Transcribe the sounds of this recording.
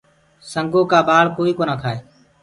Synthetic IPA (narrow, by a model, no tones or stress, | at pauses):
səŋɡʱõːkaːbaːɭkoːiːkoːnaːkʰaːɦeː